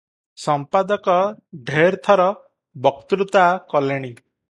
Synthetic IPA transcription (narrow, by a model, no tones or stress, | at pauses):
sɔmpad̪ɔkɔɖʱeɾt̪ʰɔɾɔ | bɔkt̪ɾut̪akɔleɽ̃i